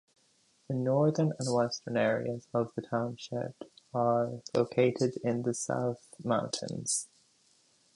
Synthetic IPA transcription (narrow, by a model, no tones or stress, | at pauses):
ðənɔɹðə˞nə̃nwɛstə̃˞nɛːɹḭəzəvðətʰãʊ̃nʃɪ̰pəlo̰ʊkʰeɪɾɪdɪ̃nðəsa̰ʊθmãʊ̃ntʰɨ̰̃nz̥